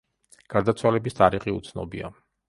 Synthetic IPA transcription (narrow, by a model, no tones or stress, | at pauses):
ɡ̥aɾd̪at̪sʰwalɛbist̪ʰʼaɾiχiṵt̪sʰnɔ̰bia